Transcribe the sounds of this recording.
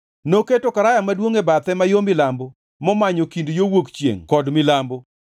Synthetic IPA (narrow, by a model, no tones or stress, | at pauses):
noketokaɾajamadwoŋebat̪ɛmajomɪlambo | mɔmaɲokindjowokt͡ʃjḛŋkɔdmɪlambo